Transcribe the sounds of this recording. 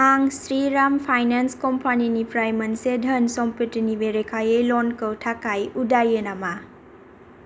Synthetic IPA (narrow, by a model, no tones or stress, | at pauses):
aŋsɾiɾampʰajnanskɔmpʰaninipɾajmɐnsedʱənsɔmpitinibeɾekʰajejlɔnkəwtʰakajudajɯnama